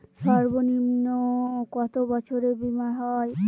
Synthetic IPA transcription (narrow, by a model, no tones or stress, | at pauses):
ʃɔɾbonimnokɔt̪obɔt͡ɕʰoɾebimaɦɔj